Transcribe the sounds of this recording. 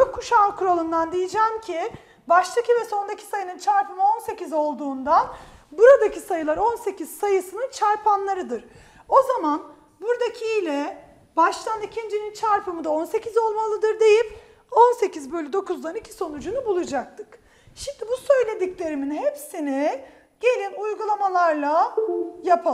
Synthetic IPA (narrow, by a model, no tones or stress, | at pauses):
t͡ʃokʰːuʃakʰuɾo̞lˠund̪and̪ijid͡ʒæːmcʰi | baʃt̪ʰacʰivɛso̞nd̪akcʰi̥sajɯnɯnt͡ʃʰaɾpɯmɯo̞nse̞cizo̞lˠd̪uːnd̪anbuɾad̪acʰisajɯlˠaɾo̞nse̞cʰiz̥sajɯsɯnɯnt͡ʃʰaɾpʰanlˠaɾɯd̪ɯɾ̥ | o̞zaman | buɾd̪acʰilʲɛ | baʃlˠanicʰind͡ʒinint͡ʃʰaɾpɯmɯd̪ao̞nse̞cʰizo̞lˠmalˠɯd̪ɯɾd̪e̞jip | o̞nse̞cizbøjlʲyd̪o̞kʰuzlˠanicʰi̥so̞nud͡ʒunubulˠud͡ʒak̚t̪ʰɯ̥k | ʃind̪ibusø̞jlʲe̞d̪iclʲe̞ɾiminɦepsini | ɟ̥e̞lʲinujɡulˠamalˠaɾlˠajapʰa